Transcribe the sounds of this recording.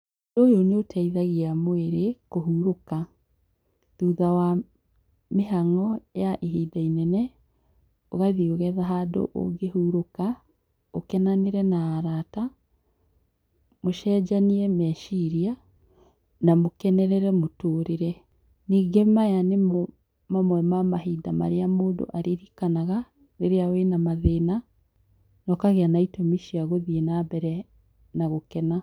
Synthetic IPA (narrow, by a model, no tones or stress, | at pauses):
doːjonotʰɛiðaɣiamoeɾekoɦuɾoka | tuːðawa | meɦaŋɔjaʔeɦiːdainɛnɛ | o̰ɣaðioɣɛðaɦado̰ʔo̰ɡehuːɾoka | okɛnaneɾɛnaːɾaːta | moʃɛːd͡ʒaniɛmɛʃiɾia | namokɛnɛɾɛɾɛmotoːɾeɾɛ | niːɡemajanem | mamwɛmamaɦidama̰ɾeamoːdo̰ʔaɾeɾikanaɣa | neɾeawenamaðena | nɔkaɣeanaitomiʃiaɣoðienabɛɾɛ | naɣokɛna